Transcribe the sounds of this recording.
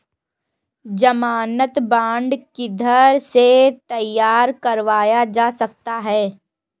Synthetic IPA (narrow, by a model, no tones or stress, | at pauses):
d͡ʒɐmaːnət̪bãːɳɖkid̪ʱəɾset̪ɐjːaːɾkɐɾʋaːjad͡ʒaːsɐk̚t̪aɦɛː